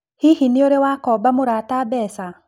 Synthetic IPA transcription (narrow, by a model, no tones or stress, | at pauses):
hihinɪoɾewakɔbamoɾatabɛːsa